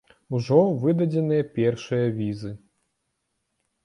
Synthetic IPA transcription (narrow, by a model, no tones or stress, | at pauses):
uʐɔvɨd̪ɐd͡zʲɛnɨjɐpʲɛrʂɨjɐvʲizɨ